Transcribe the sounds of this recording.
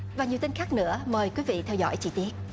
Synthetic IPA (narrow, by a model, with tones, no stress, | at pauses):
vaː˨˩ɲi˨˩t̪i˧ŋ̟xaː˦˥k̚nɨ̰˧˥əməː˨˩jkwi˨˦vḭ˧˨t̪ʰɛ˧wzɔ̰˧˥jt͡ɕi˧˩t̪i˦˥ət̚